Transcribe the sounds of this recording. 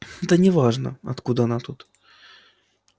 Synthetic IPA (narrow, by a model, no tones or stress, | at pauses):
ɛt̪ənʲɪvaʐnə̰ɐ̰t̪kud̪əɐnat̪ut̪